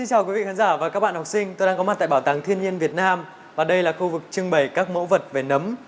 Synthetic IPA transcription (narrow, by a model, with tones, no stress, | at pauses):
si˧nt͡ɕaː˨˩wki˨˦vḭ˧˨kaː˨˦nzaː˧˩vaː˨˩ka˦˥k̚ɓ̰aː˧˨hwk͡p̚sï˧ŋ̟t̪o˧jɗaː˧kɔ˨˦m̚˨˩t̪a̰˧˨ɓːt̪aː˨˩ŋt̪ʰi˧ənɲi˧ənvi˨˩ət̚naː˧m | vaː˨˩ɗə˧jlaː˨˩xu˧vɨ˨˩k̚t͡ɕɨ˧əŋɓə˨˩jkaː˦˥k̚mo̰˧˥wvə˨˩t̚ve˨˩nə˨˦m